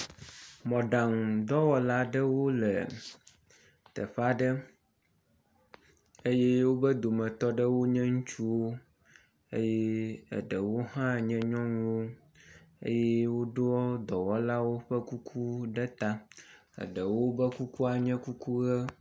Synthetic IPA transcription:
mɔ̃˨ɖa˨ŋ˨d̪ɔ˦wɔ˦la˦ɖə˦wo˦lɛ˨ | t̪ə̰˨ɸa˦ɖə˦ | e˦jɛ˦wo˦bə˦d̪o˨mɛ̃˨t̪ɔ˦ɖə˦wo˦ɲɛ̃˦ŋũ˦t͡ʃu˦wo˦ | ḛ˦jɛ˦ə̰˨ɖə˨wo˦ɦã˦ɲɛ̃˦ɲɔ̃˦nũ˦wo˦ | ḛ˦jɛ˦wo˦ɖɔ˦d̪ɔ˨wɔ˦la˦wo˦ɸə˦ku˦kʰu˦ɖə˦t̪a˦ | ə̰˨ɖə˨wo˦bə˦ku˦ku˦a˨ɲɛ̃˦ku˦ku˦ɣə˦

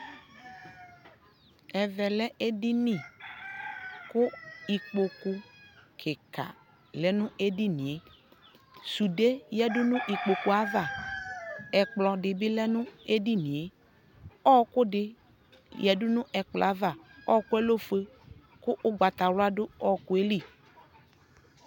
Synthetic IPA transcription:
ɛ˨vɛ˨lɛ˦ʔe˦dɪ˦nĩ˨ | kʊ˦i˨k͡po˨ku˨kʰɪ˨ka̰˨ | lɛ˦nʊ̃˦e˦di˦nĩ˨e˨˦ | su˨de˦jɛ˦dʊ˦nʊ̃˦ʔi˨k͡po˨ku˨a˦va˨ | ɛ˨k͡plɔ˨dɪ˨bɪ˦lɛ˦nʊ̃˦e˦di˦nĩ˨e˨ | ɔ˦kʊ˦dɪ˨ | jɛ˨dʊ˦nʊ̃˦ʔɛ˨k͡plɔ̰˨a˦va˨ɔ˦kʊ˦ɛ˦lo˦fe˦ | kʊ˦ʔʊ˦ɡ͡ba˨t̪a˨ɾʊ˦a˦dʊ˦ɔ˦˨kʊ˦e˦li˦˨

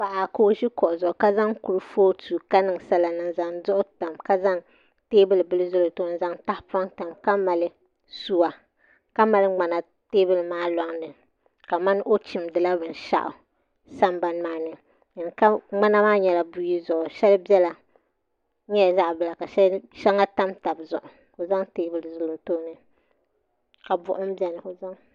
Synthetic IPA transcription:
pa˨ʔa˨ko˦ʒi˦kɔ˨ʔzʊ˨ʔka˦za˦ŋku˨ɾɨ˨foː˦tuː˨ka˦nɨ˨ŋsa˦la˨nɨ˨ŋza˨ŋzʊ˦ʔʊ˦ta˨mka˦za˦ŋ | teː˦bɨ˦lɨ˨bɨ˦lɨ˦zʊ˦lo˨to˦n˦za˦ŋta˦hpa˦ŋta˨mka˦ma˨lɨ˦ | su˦wa˨ | ka˦ma˨lɨ˦ŋ͡ma˨na˨ | teː˦bɨ˦lɨ˨maː˦lɔ˦ŋnɨ˨ | ka˨ma˦n˦ʔo˦t͡ʃi˨mdɨ˨la˦bɨ˨nʃa̰˦ʔʊ̰˨ | sa˦mba˦nmaː˦nɨ˨ | ɨ˨n˨ka˦ŋ͡ma˦na˦maː˦ɲɛ˦la˨bu˦ji˦zʊ˨ʔʊ˨ʃɛ˦lbjɛ˦la˨˦ | ɲɛ˦˨za˦ʔbɨ˦˨la˨ka˨ʃɛ˦ʃɛ˦ŋa˦ta˦mta˨bzʊ̰˨ʔʊ˨ | ko˨za˦ŋteː˦bɨ˦lɨ˨zʊ˦lo˨to˦nɨ˨ | ka˨bʊ̰˨ʔʊ˦m̩˦bɛ˨nɨ˨ko˨za˦ŋ

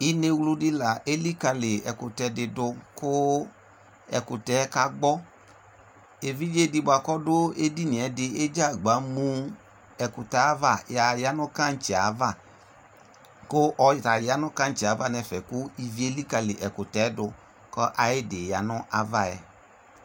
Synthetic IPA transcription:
i˦ne˧wlu˧dɪ˦la˨ʔe˦li˦ka˧lɪ˨ɛ˨kʊ˨tɛ˧˦dɪ˧dʊ˧kʊ˦ | ɛ̰˨kʊ˨tɛ˨˦ka˦ɡ͡bɔ˦ | e˨vi˦d͡ʒe˦dɪ˧˦bʊ˨a˨kɔ˦dʊ˦e˦di˦ni˨ɛ˨˦dɪ˧e˦d͡ʒa˦˨ɡ͡ba˨˦mũ˧ | ɛ˨kʊ˨ta˨˦va˦˨ja˨ja˦nʊ˦ka˦n̩˦t͡ʃɛ˨a˨va˦˨ | kʊ˦ʔɔ˧˨ta˨ja˦nʊ˦ka˦n˦t͡ʃi˨a˨˦va˦nɛ˧fɛ˨kʊ˦i˧vi˨˦e˦li˦ka˧lɪ˨ʔɛ˨kʊ˨tɛ˨˦dʊ˧ | kɔ˦ʔa˨jɪ˦dɪ˨ja˨nʊ˦ʔa˨va˦ɛ̰˨

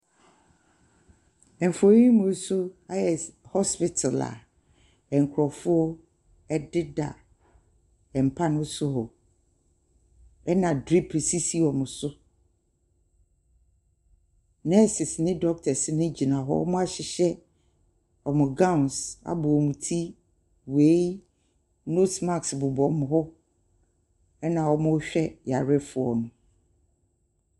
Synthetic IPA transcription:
ɛ˨ɱ̩˨fo˨ɾi˦mʊ̃˨˦sʊ˦a˦jɛ˨hɔ˦spɪ˨tʰa˨la̰˨ | ɛ˨ŋ˨kʰʊ˨ɾɔ˨fʊ˦ɔ˦ | ɛ˦dɪ˦da̰˨ | ɛ˨m̩˨pʰa˦nʊ̃˦sʊ˦ɦɔ˨ | ɛ˦nã˨dɾi˦pʰsi˦si˦ɔ˨mʊ̃˨sʊ˦ | nɛ˦sɪ˨snɪ̃˦dɔ˦k̚tʰɛ˨sɪ˦nɪ̃˦d͡ʑi˨nã˨ɦɔ̰˦ɔ̰˦mʊ̃˦a˦ɕɪ˨ɕɛ˦ | ɔ˨mʊ̃˨ɡã˦˨nsa̰˨bʊ˨ɔ˨mũ˨tʰi˦ | we˦j | no˦sma˦˨ksbʊ˨bɔ˨mʊ̃˨ɦɔ˦ | ɛ˦nã˨wɔ˦mʊ̃˦ɕᶣɛ˦ja˨ɾɪ˦fʊ˨ɔ˨nʊ̃˦

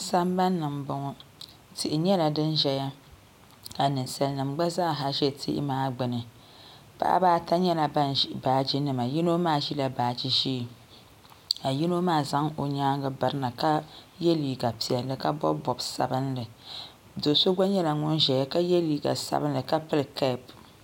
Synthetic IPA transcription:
sa˦mba˦nːɨ˨mbʊ˨ŋɔ˦ | tɪ˨ʔɪ˨ɲɛ˦la˨dɨ˦nʒɛ˨ja˦ | a˨nɨ˨nsa˨lnɨ˨mɡ͡ba˦za˦˨ɦa˨ʒɛ˦tʰḭ˦ʔɪ̰˦maː˦ɡ͡bɨ˨nɨ˨ | pa̰˦ʔa̰˦baː˦ta˦ɲɛ˦la˨ba˦n˨baː˨d͡ʒi˦nɨ˨ma˨ji˦no˦maː˦˨ʒi˦la˨baː˨d͡ʒi˦ʒi˦˨ | a˨ji˦no˦maː˦˨za˦ŋo˨ɲaː˦ɡɨ˦ba˨ɾɨ˦na˨ka˦jɛ˦liː˨ɡa˨pi˨ɛ˨lːɨ˨ka˦bɔ̰˦bɔ˨bsa̰˨bɨ˦nlɨ˨ | do˨so˦ɡa˦ɲɛ˦la˨ŋʊ˦nʒɛ˨ja˦ka˦jɛ˦liː˨ɡa̰˨sa̰˨bɨ˦n˦lɨ˨ka˦pɨ˦lkɛ˦˨p

